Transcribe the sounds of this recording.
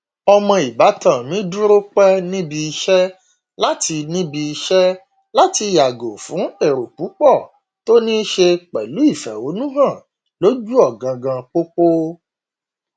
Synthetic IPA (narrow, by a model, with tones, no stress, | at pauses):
ɔ˧mɔ̃˧i˨ba˨˦tã˦˨mĩ˨˦dũ˦ɾo˦k͡pɛ˦nĩ˦bi˧i˧ʃɛ˦ | la˦ti˧nĩ˦bi˧i˧ʃɛ˦ | la˦ti˧˦˨ja˨ɡo˨fũ˨˦e˦˨ɾo˨k͡pu˨˦k͡pɔ˦˨ | to˦nĩ˦ʃe˧k͡pɛ˨lu˨˦i˦˨fɛ˨o˨˦nũ˦ɦã˦˨ | lo˨˦d͡ʒu˦ɔ˦˨ɡã˧ɡã˧k͡po˦k͡po˦